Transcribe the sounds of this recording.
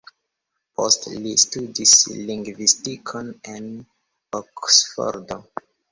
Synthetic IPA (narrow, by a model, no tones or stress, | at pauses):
pʰostlistudislĩŋɡvistikʰonen | oksfo̰ɾdo